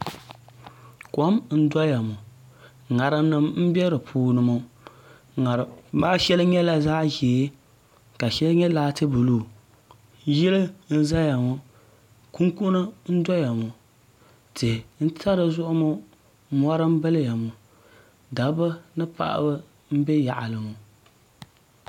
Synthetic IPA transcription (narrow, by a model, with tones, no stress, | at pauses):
kɔ˦mn̩˦dɔ˦ja˨mʊ˨ | ŋa˨ɾɨ˦m˦nɨ˦mm̩˦bɛ˦ɾɨ˨pʰuː˨nɨ˨mo˦ | ŋa˨ɾbaː˦ʃɛ˦lɨ˦ɲɛ˦la˦zaː˦ʒɛː˨˦ | ka˨ʃɛ˦lɲɛ˦laː˦tɨ˦bu˨luː˦˨ | jɛ˦lɨ˦n̩˦za˦ja˨mʊ˦ | ku˦ŋku˦nɨ˦n̩˦dɔ˦ja˨mʊ˨ | tɨ˨n̩˦tʰa˦ɾɨ˨zʊ˦ʔʊ˦mʊ˦ | mɔ˦ɾɨ˦m˦bɨ˦lja˨mʊ˨ | da˨bɨ˦nɨ˦pa̰˨ʔa̰˦bɨ˦ | m̩˦bɛ˦ja̰˨ʔa̰˨lɨ˨mu˨